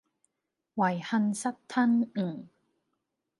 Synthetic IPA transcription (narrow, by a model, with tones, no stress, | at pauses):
wa˨˩jha˧nsa˦˥tt̪ʰːa˧n̩ː˨˩